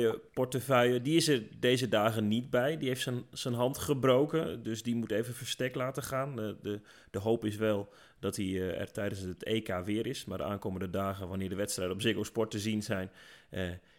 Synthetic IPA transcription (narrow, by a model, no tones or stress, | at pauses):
əpɔɹtəfœjədiɪsɛrdejzədaːɣənit̚bɛjdiɦejftsəsənɦɑntχəbrowkədøsdimuteːvənfəɹstɛklaːtəχaːnə | d̥əɦowpɪs̬ʋɛlˠ | dɔtiɛ̰rtɛjdənsəteːkaːʋɪəɾɪsmaːrdə̰ʔa̰ːnkoːməndədaːɣənʋanɪːɹdəʋɛtstrɛjdəɔpsɪkospɔɹtəzinzɛjn